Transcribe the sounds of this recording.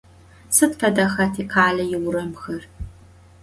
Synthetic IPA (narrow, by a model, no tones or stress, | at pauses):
sɨtfɐdɐxɐtʰiːqʰaːɮɐjɪwʊɾɐmxɐr